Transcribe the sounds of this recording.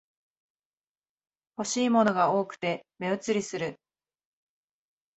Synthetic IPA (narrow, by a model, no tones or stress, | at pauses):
ho̞ɕiːmo̞noɡao̞ːkɯ̟̥t̪e̞me̞ɯ̟t͡sɨɾʲisɨɾɯ̟